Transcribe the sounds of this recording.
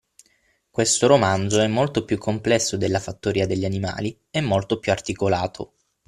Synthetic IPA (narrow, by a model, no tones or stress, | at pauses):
kwest̪oɾomand̪zoɛmːolt̪opjukʰːomplɛsːod̪elːafat̪ːoɾiːad̪eʎːianima̰ːli | ɛmːolt̪opjuart̪ikolaːt̪ʰo̰